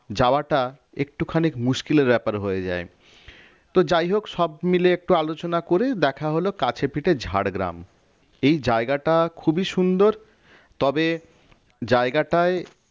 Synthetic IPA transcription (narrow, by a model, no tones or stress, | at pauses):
d͡ʑaoaʈa | ek̚ʈukʰanikmuʃkileɾbɛpaɾɦoed͡ʑa̰e | t̪od͡ʑajɦokʃɔbmileek̚ʈualot͡ɕonakoɾed̪ɛkʰaɦolokat͡ɕʰepiʈed͡ʑʱaɽɡɾa̰m | ejd͡ʑaeɡaʈakʰubiʃund̪oɾ | t̪ɔbe | d͡ʑaeɡaʈae